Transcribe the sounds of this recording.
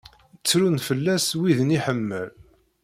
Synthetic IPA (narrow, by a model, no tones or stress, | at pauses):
ət͡sːɾunfəlːæswiðəniħəmːəl